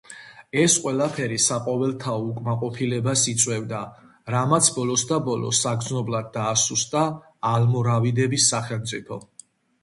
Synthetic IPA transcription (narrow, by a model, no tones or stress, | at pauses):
ɛsqʼwɛlapʰɛɾisaqʼɔvɛlˠt̪ʰaɔukʼmaqʼɔpʰilɛbasit̪sʼwɛvd̪a | ɾamat̪sʰbɔlɔsd̪abɔlɔ̰saɡd̪znɔblad̪̚ːaːsust̪ʼaː | lmɔɾavid̪ɛbisːaχɛlˠmt̪sʼipʰɔ